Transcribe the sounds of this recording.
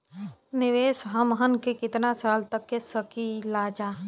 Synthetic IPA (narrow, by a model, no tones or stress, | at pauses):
nɪʋeːsɦəmɦənkekɪt̪nasaːlt̪əkːesəkilaːd͡ʒaː